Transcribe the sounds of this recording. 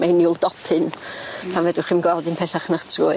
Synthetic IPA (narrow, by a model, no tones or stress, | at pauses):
mejniulˠd̥ɔpʰɨnpʰanvɛdɪχimɡwɛlˠdɨnpʰɛɬaχnətʰrʊ